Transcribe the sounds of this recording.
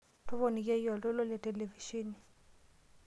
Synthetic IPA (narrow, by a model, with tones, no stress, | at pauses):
tɔ˦βɔ˨ni˨kɛ˦jɔ˨lɔ˦lɔ˦lɛ˨te˨le˨vi˨ʃi˦ni˨